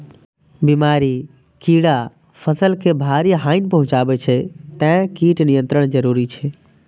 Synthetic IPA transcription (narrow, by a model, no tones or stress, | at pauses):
bimaɾi | kiɽa | pʰəsəlkebʱaɾiɦaɪnpəɦũt͡ʃabɛt͡ʃʰɛt̪ɛ̃kiʈnijə̃nt̪ɾəɽ̃d͡ʒəɾuɾit͡ʃʰɛ